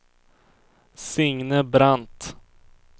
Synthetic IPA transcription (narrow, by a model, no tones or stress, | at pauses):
sʏŋnəbɾant̪